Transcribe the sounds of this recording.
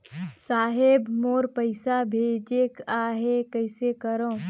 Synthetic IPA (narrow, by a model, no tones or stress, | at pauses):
saːɦebmoːɾpəɪsabʱeːd͡ʒekaːɦekəɪsekəɾõː